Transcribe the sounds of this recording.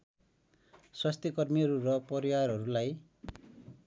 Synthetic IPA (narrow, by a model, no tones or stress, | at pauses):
swast̪ikʌrmiʌɾuɾʌpʌɾiwarɦʌɾulaj